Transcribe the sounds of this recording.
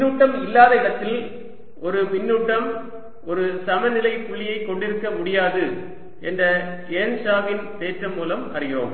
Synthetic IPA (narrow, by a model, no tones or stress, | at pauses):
uːʈːɐmɪlːaːðɐɪɽɐt̪ːɪl | ʔɔɾɯpɪnːuːʈːɐm | ɔɾɯsɐmɐnɪlɐɪpʊɭɪjɐɪkːɔɳɖɪɾɯkːɐmʊɽɪjaːðɯ | ɛndrɐ | eːnsaːʋɪnp̪eːʈrɐmːuːlɐmɐ̰rɪjo̰ːm